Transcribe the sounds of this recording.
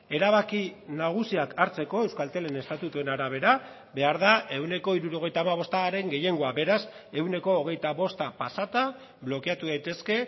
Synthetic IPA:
e̞ɾaβakinaɣ̞usiakʰaɾt͡se̞ko̞e̞wskalt̪e̞le̞ne̞st̪at̪ut̪ue̞naɾaβ̞e̞ɾa | be̞aɾðaʔe̞wne̞ko̞iɾuɾo̞ɣ̞e̞jt̪aːmaβ̞o̞st̪aɾe̞ŋɡe̞je̞ŋɡo̞abe̞ɾase̞wne̞ko̞ːɣ̞e̞jt̪aβo̞st̪apasat̪a | βlo̞keat̪uðajt̪e̞ske̞

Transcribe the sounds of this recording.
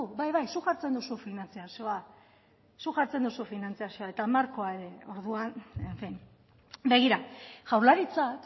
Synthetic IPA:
uβajβajsuʝaɾt͡se̞nd̪usufinant͡siasio̞a | suʝaɾt͡se̞nd̪usufinant͡siasio̞ae̞t̪aːmaɾko̞aeɾeo̞ɾðuaneɱfin | be̞ɣiɾaʝawɾlaɾit͡sak

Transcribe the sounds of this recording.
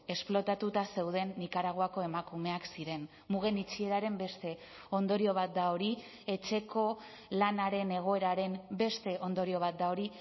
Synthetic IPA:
e̞splo̞t̪at̪ut̪ase̞wð̞e̞nːikaɾaɣ̞oako̞e̞makume̞aksiɾe̞n | muɣe̞nit͡ʃie̞ɾaɾe̞mbe̞st̪e̞ | o̞nd̪o̞ɾio̞β̞at̪̚d̪aoɾi | e̞t͡ʃe̞ko̞ | lanaɾe̞ne̞ɣ̞o̞e̞ɾaɾe̞mbe̞st̪e̞ʔo̞nd̪o̞ɾio̞β̞at̪̚d̪ao̞ɾi

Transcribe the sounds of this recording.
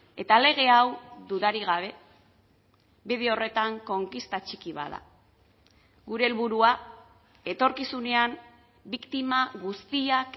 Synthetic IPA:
e̞t̪ale̞ɣ̞e̞awd̪uðaɾiɣ̞aβe̞ | biðeo̞re̞t̪aŋko̞ŋkist̪at͡ʃikiβ̞a̰ða̰ | ɣuɾe̞ːlβuɾua | e̞t̪o̞ɾkisune̞am | bikt̪imaɣust̪iak

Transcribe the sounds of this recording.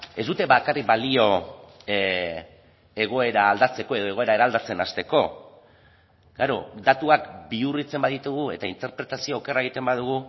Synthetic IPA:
e̞zd̪ut̪e̞βakarikbalio̞ | e̞ɣ̞o̞e̞ɾaːld̪at͡se̞ko̞e̞ð̞o̞e̞ɣoe̞ɾae̞ɾaːld̪at͡se̞nast̪eko̞ | ɡaɾod̪at̪uakbiurit͡se̞mbaðit̪uɣ̞ue̞̰t̪aint̪e̞ɾpɾe̞t̪asio̞ːke̞raeɣit̪e̞mbaðuɣ̞u

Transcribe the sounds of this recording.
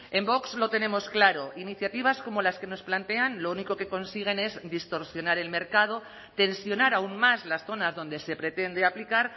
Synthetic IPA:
e̞mbo̞kzlo̞t̪e̞ne̞mo̞sklaɾo̞ʔiniθjat̪iβasko̞mo̞laske̞no̞splant̪e̞anlouniko̞ke̞ko̞nsiɣ̞e̞ne̞zd̪ist̪o̞ɾsjo̞naɾe̞lme̞ɾkað̞o̞ | t̪e̞nsjo̞naɾaunmazlasθo̞nazðo̞nd̪e̞se̞pɾe̞t̪e̞nd̪eaplikaɾ

